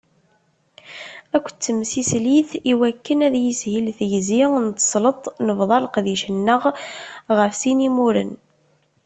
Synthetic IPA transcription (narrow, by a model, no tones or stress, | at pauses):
ækʷːt͡sːəmsisliθiwækːənæðjishilθjzint̪ə̥sˤlət̪ˤnəvðˤɑlqðiʃənːəʁʁəfsinimuɾə̰n